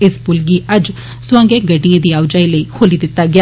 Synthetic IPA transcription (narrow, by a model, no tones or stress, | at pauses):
ɪsbʊlɡiːəd͡ʒ | sʊwãːŋɡẽːɡəɖɪjãːd̪iːaːʋd͡ʒaːiːləiːkʰoːliːd̪ɪt̪ːaːɡɪa